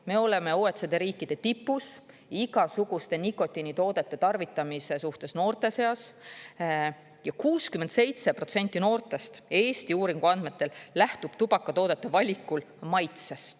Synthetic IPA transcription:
me̞o̞le̞me̞oːet̪sed̪e̞ɾiːkːˑid̪̥e̞t̪ipːus | iɡ̥ɑsuɡ̥ust̪e̞nikːˑo̞t̪ʲːˑinit̪o̞ːd̪̥e̞t̪ːˑe̞t̪ɑrvit̪ːˑɑmise̞suht̪e̞sno̞ːrt̪e̞se̞ɑs | jɑkuːskymend̪sejt̪se̞pro̞t̪se̞nʲt̪ʲˑːino̞ːrt̪ˑe̞st̪e̞ːst̪iuːɾiŋɡ̥uɑnd̪̥me̞t̪ːˑe̞lːæht̪ub̥t̪ub̥ɑkːˑɑt̪o̞ːd̪̥et̪ːˑe̞vɑlʲikːulmɑjt̪sest̪

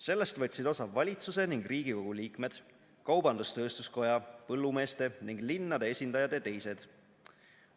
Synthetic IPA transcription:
se̞lːe̞st̪vɤt̪ʲsid̪̥o̞sɑvɑlʲit̪suse̞niŋɡ̥riːɡiko̞ɡ̥uliːkme̞d̪̥ | kɑwbɑnd̪ust̪ø̞ːst̪usko̞jɑpɤlːume̞ːst̪e̞niŋɡlinːɑd̪e̞esʲind̪ɑjɑd̪et̪e̞jse̞d̪̥

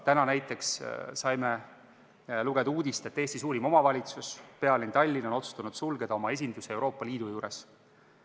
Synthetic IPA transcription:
t̪ænɑnæjt̪ːˑe̞kssɑjme̞ | luɡ̥e̞d̪̥uːd̪̥ist̪e̞t̪ːe̞ːst̪isuːɾimo̞mɑvɑlʲit̪suspe̞ɑlint̪ɑlʲːino̞no̞t̪su̥st̪unud̪sulɡe̞d̪̥ɑo̞mɑe̞s̬ʲind̪usee̞wɾo̞ːpːˑɑliːd̪ujuːɾe̞s

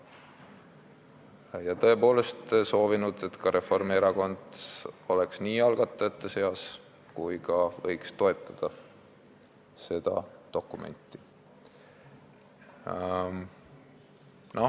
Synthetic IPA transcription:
jɑt̪ɤ̞e̞po̞ːle̞st̪so̞ːvinud̪̥e̞t̪kɑɾe̞fo̞rmieɾɑko̞nd̪so̞leksniːɑlɡ̥ɑt̪ˑːɑet̪ːɑse̞ɑs | kujkɑvɤjkst̪o̞e̞t̪ˑːɑd̪̥ɑ | se̞d̪̥ɑ̰d̪̥o̞kːˑume̞̰nt̪ˑːi̥ | no̞

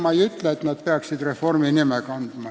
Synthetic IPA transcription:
mɑjyt̪leet̪næt̪̚peɑksid̪reforminimekɑnd̪̥mɑ

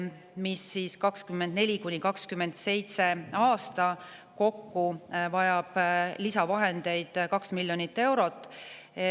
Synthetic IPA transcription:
misːiːskɑkskymːend̪ne̞lʲikunʲikɑkskymːe̞nd̪̥se̞jt̪se̞ɑːst̪ɑ | ko̞kːuvɑjɑb̥lisɑvɑɦe̞nd̪̥e̞jd̪̥kɑksmilʲːjo̞nit̪ːe̞wɾo̞t̪ːˑ

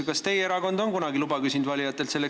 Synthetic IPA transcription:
kɑst̪e̞jeeɾɑko̞nd̪o̞nkunɑɡilubɑkysʲind̪vɑlʲijɑt̪ːˑe̞lt̪se̞lːe

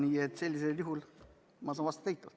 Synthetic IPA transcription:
niet̪selʲːiseljuɦul | mɑsɑːnʋɑst̪ɑt̪eit̪ːˑut̪

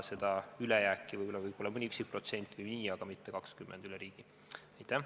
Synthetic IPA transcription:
se̞d̪̥ɑylejæːkːˑivɯjbolːɑvɯjb̥o̞lːɑmɤnʲiyksik̚pro̞t̪se̞nʲt̪ːˑvɯjniːɑɡ̥ɑmit̪ːe̞kɑkskymːʔend̪yleɾiːɡ̥i | ɑjt̪ːˑæh

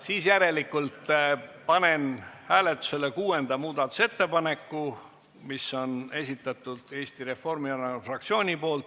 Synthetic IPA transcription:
siːsjæɾe̞likːˑult̪pɑne̞nhæːlet̪ːˑu̥se̞lekuːe̞nd̪̥ɑmuːd̪̥ɑt̪ːˑu̥se̞t̪ːe̞pɑne̞kːˑu | miso̞ne̞sʲit̪ːˑɑt̪ːˑud̪̥e̞ːst̪iɾe̞fo̞rmiɑnɑfrɑkt̪sio̞ːnʲipo̞ːlt̪

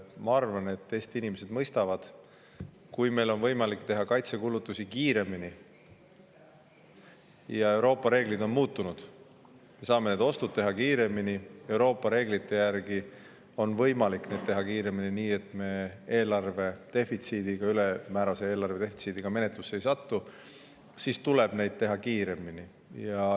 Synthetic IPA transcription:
mɑɑrvɑne̞t̪ːe̞ːst̪iinimese̞d̪̥mɤjst̪ɑvɑd̪̥ | kujme̞jlo̞nvɤjmɑlikt̪e̞ɦɑkɑjt̪se̞kulut̪ːˑusikiːɾe̞mini | jɑe̞wɾo̞ːpːˑɑɾe̞ːɡ̥lid̪̥o̞nmuːt̪ːunud̪̥ | me̞sɑːme̞ne̞d̪o̞st̪ud̪t̪̚t̪e̞ɦɑkiːɾe̞minie̞wɾo̞ːpːˑɑɾe̞ːɡlit̪ːˑe̞jærɡ̥i | o̞nvɤjmɑlikːne̞d̪̚t̪e̞ɦɑkiːɾe̞mininiːe̞t̪ːˑme̞ːe̞ːlɑrve̞t̪e̞fit̪siːd̪̥iɡ̥ɑyle̞mæːɾɑseeːlɑrve̞t̪e̞fit̪sid̪̥iɡ̥ɑme̞ne̞t̪lusːe̞jsɑt̪ːu | sist̪ule̞b̥ne̞jd̪̚t̪e̞ɦɑkiːɾe̞mini | jɑ

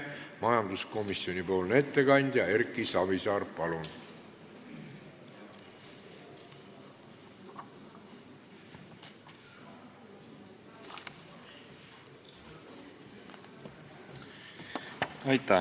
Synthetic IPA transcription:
mɑjɑnd̪usko̞misio̞nʲipo̞ːlne̞t̪ːe̞kɑnʲd̪̥jɑe̞ɾkːˑisɑvisɑːɾpɑlun | ɑjt̪ːæ

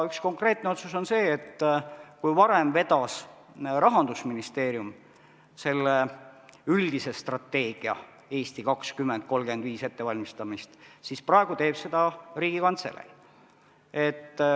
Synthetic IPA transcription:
yksko̞ŋkre̞ːt̪̚ːˑneo̞t̪suso̞nse̞ːt̪ːkujvɑɾe̞mve̞d̪̥ɑs | ɾɑɦɑnd̪usminist̪e̞ːɾjum | se̞lːe | yld̪ise̞st̪rɑt̪ːe̞ːɡ̥iɑ̰ | e̞ːst̪ikɑkskymːend̪̥̚ko̞lɡe̞nd̪viːse̞t̪ːe̞vɑlʲmist̪ɑmist̪sisprɑeɡ̥ut̪e̞ːb̥se̞d̪̥ɑɾiːɡ̥ikɑnt̪sḛlḛl | e̞t̪ː

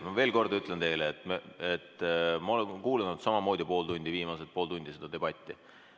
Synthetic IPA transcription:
mɑve̞ːlko̞rd̪yt̪lent̪e̞jleːt̪meet̪ːmɑo̞lenkuːlenud̪̥sɑmɑmo̞ːd̪̥ʲipo̞ːld̪unʲd̪̥ʲiviːmɑset̪̚po̞ːlt̪unʲd̪ise̞d̪̥ɑd̪e̞b̥ɑt̪ʲːi

